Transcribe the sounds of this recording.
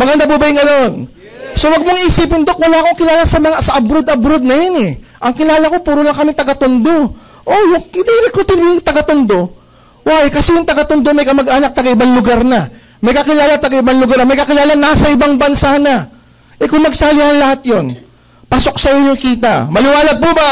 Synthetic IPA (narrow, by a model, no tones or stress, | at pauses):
mɐɡɐnd̪abubɐjɪŋɡɐno̞n | so̞wɐɡ̚moŋʔiːsiːpɪnd̪ok̚wɐlaːɐko̞ŋkɪlaːlasɐmɐŋasɐʔɐbɾod̪ɐbɾod̪̚nɐjonɛʔɐŋkɪlaːlɐko̞puːɾolɐŋkɐmɪŋt̪ɐɡɐt̪ond̪o̞ | ʔo̞jʊŋɪd̪iɾɪkːot̪ɪnmʊŋt̪ɐɡɐt̪ʊnd̪o̞ | wajkɐsɛjʊŋt̪ɐɡɐt̪ʊnd̪o̞mɐjkɐmɐɡʔaːnɐk̚t̪ɐɡaɪbaŋlʊɡaɾnɐ | mɐjkɐkɪlaːlat̪ɐɡaʔɪbaŋlʊɡaɾɐmɐjkɐkɪlaːlanasɐʔɪbaŋbɐnsanɐ | ʔɛkʊŋmɐɡsaːjahɐŋlɐhat̪̚jo̞n | paːso̞ksɐɪɲoŋkiːt̪ɐ̰mɐlɪwaːlɐɡ̚poba